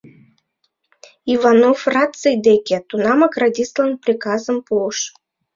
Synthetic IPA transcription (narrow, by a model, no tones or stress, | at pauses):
ivɑnofrɑt̪t͡sɨjd̪ekʲet̪unɑmɑkradʲislˠənprʲikɑzə̆mpuəʃ